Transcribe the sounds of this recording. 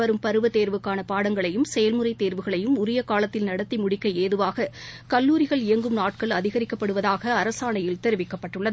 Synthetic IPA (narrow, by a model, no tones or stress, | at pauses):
ɐɾɯmpɐɾɯʋɐt̪eːɾʋɯkːaːnɐpaːɽɐŋɡɐɭɐjɯmsɛjɐlmɯrɐɪt̪ːeːɾʋɯɣɐɭɐjɯmʊɾɪjɐkaːlɐt̪ːɪlnɐɽɐt̪ːimʊɽɪkːɐeːðɯʋaːɣɐkɐlːuːɾɪɣɐɭɪjɐŋɡɯmnaːʈ̚kɐɭɐðɪɣɐɾɪkːɐpːɐɽɯʋɐðaːɣɐːɾɐsaːɳɐjɪlt̪ɛɾɯʋɪkːɐpːɐʈːɯɭːɐðɯ